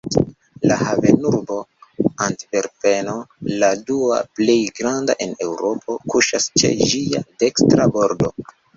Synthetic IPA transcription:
lahave̞nuɾbo̞anti̥pe̞ɾpe̞no̞ladua̰ple̞jɡɾandaʔe̞ne̞wɾo̞pʰo̞kuʃast͡ʃe̞̰d͡ʒia̰de̞kstɾabo̞ɾdo̞̰

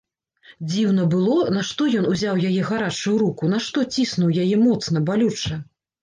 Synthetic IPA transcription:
d͡zʲiwnɐbɨlˠɔnaʂt̪ɔjɔnuzʲawjajɛɣaɾat͡ʂujuɾukunaʂt̪ɔt͡sʲisnuwjajɛmɔt̪sn̪ɐbalʲut͡ʂɐ

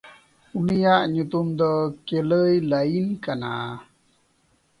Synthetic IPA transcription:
unijaʔɲut̪umd̪əkeləjlainkana̰

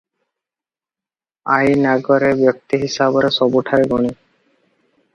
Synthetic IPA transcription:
ajnaɡɔɾebjɔk̚t̪iɦisabɔɾesɔbuʈʰaɾeɡɔɽ̃i

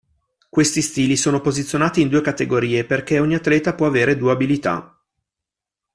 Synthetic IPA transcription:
kwest̪ist̪iːlisoːnopozit̪sːjonaːt̪iːnd̪uːekat̪eɡoɾiːeperk̟eɔɲːiat̪ːlɛːt̪apwɔaveːɾed̪uabilit̪a̰

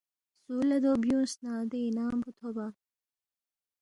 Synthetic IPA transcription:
suːlɐd̪objũːsnaːd̪einaːmbut̪ʰoba

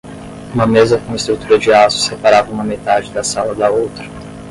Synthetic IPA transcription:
ũmɐmezɐkõist̪ɾut̪uɾɐd͡ʒɪasʊ̥sepaɾavɐũmɐmet̪ad͡ʒɪd̪ɐsalɐd̪ɐowt̪ɾɐ

